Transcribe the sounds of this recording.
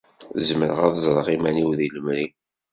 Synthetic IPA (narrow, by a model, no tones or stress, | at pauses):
zməɾəʁɑðzˤɾˤɑʁimæniwðiləmɾi